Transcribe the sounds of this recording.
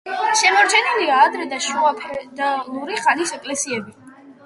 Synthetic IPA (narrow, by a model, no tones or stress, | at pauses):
ʃɛmɔɾt͡ʃʰɛniliaːd̪ɾɛd̪aʃuapʰɛd̪alˠuɾiχanisɛkʼlɛsiɛbi